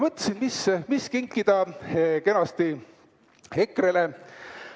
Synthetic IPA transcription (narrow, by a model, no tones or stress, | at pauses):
mɤt̪ːˑɑ̥sinmismiskiŋkːˑid̪̥ɑkenɑst̪i | hekːˑrele